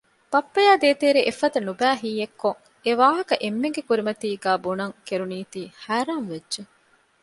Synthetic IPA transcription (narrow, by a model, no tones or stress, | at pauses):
pɐpːɐjaːd̪eːt̪eːɾeʔefɐd̪ɐnubæːɦiːekːoŋ | eʋaːɦɐkɐʔemːeŋɡekuɾimɐt̪iːɡæːbunɐŋkeɾuniːt̪iːhæːɾaːnʋedʒe